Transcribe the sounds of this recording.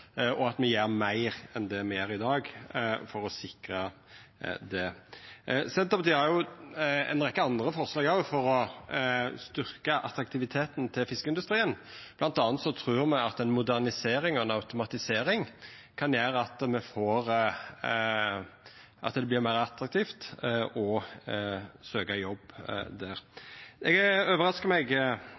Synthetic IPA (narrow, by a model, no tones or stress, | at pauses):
ʔɔɑt̪mɛjeːɾmæɪɾɛnd̪ɛmɛjæːɾɪd̪ɑːɡfɔɾɔsɪkɾə | d̪ɛ | sɛnt̪ɑpɑt̪iːhɑɾjʊɛ̰nɾɛkːəɑnd̪ʁəfɔʁslɑːɡɑʋfɔɾɔ | st̪ʏʁkəʔɑ̰t̪ɾɑk̚t̪ʰɪʋɪt̪ʰeːt̪nt̪ʰɪlfɪskəɪnd̪ʉst̪ɾiːənb̥lɑnt̪ɑːnt̪sɔt̪ʰɾʉːɾmɛɑt̪ɛnmʊd̪æʁnɪseːɾɪŋɔɛnɑʉt̪ʊmɑt̪ɪseːɾɪŋ | kʰɑnjeːɾəɑt̪mɛfoːɾ | ʔɑ̰t̪d̪ɛb̪ɪɾmæɪɾɑt̪ɾɑk̚t̪ʰiːft̪ɔ | søːkɑjɔbd̪æːʁɛɡøːʋəʁɑskəmɛɡ